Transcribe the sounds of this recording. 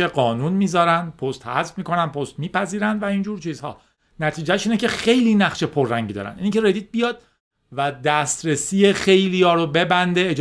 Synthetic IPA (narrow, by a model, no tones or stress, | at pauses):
eɢɒːnuːnmiːzɒːɾænd̪̚pʰo̞st̪hæ̰zfmiːko̞nænd̪pʰost̪miːpæziːɾænd̪væind͡ʒuːɾt͡ʃʰiːzhɒ̰ː | næt̪ʰiːd͡ʒæʃiːnecʰe̞xe̞jliːnæχʃe̞pʰorːæɲɟiːd̪ɒ̰ːɾæ̰nd̪ʔiːncʲʰeɾed̪iːt̪̚bijɒːd̪̥̚ | væd̪æst̪ɾesiːjexe̞jlijɒːɾobe̞bænd̪eːd͡ʒ